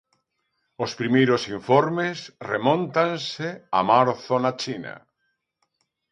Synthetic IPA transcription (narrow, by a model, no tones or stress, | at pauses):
ospɾimejɾosiɱfoɾmesremõnt̪ansea̰maɾθonat͡ʃina̰